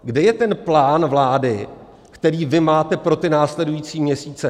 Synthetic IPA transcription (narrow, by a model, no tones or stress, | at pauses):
ɡdɛjɛt̪ɛnplaːnvlaːdɪ | kt̪ɛɾiːvɪmaːt̪ɛpɾo̞t̪ɪnaːslɛdujiːt͡siːmɲɛsiːt͡sɛ